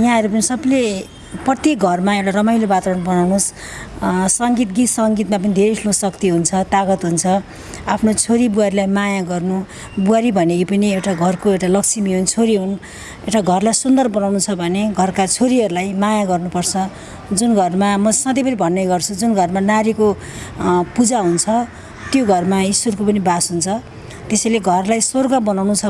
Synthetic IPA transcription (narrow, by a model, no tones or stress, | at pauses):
jãɦʌɾupʌnisʌbʌle | prʌt̪jek̚ɡʱʌrmaewʈarʌmajlobat̪aɾʌnbʌnawnos | sʌŋɡit̪ɡit̪sʌŋɡit̪map̬ʌnid̪ʱeɾesʰlosʌkt̪iɦunt͡sʰʌt̪aɡʌt̪ɦunt͡sʰʌ | apʰnot͡sʰoɾibuaɾilajmajaɡʌrnu | buaɾibʱʌnekipʌniewʈaɡʱʌrkoewʈalʌkt͡sʰimiɦunt͡sʰoɾiɦun | ewʈaɡʱʌrlajsund̪ʌrbʌnawnut͡sʰʌbʱʌneɡʱʌrkat͡sʰoɾiɦʌɾulajmajaɡʌrnupʌrt͡sʰʌ | d͡zunɡʱʌrmamʌsʌd̪ʌjpʌɾibʱʌnːʌjɡʌrt͡sʰud͡zunɡʱʌrmanaɾiko | pud͡zaɦunt͡sʰʌ | t̪joɡʱʌrmaisworkopʌnibasɦunt͡sʰʌ | t̪esʌjleɡʱʌrlajsorɡʌbʌnawnut͡sʰʌ